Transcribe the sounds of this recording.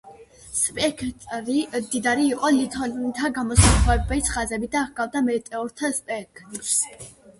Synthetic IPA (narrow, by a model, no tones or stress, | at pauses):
spʼɛkʰt̪ʼɾid̪id̪aɾiːqʼɔlit̪ʰɔlnt̪ʰaɡamɔsawɛbɛt̪sʰχazɛbid̪aɡ̥avd̪amɛt̪ʼɛɔɾt̪ʰaspʼɛk̪ʰs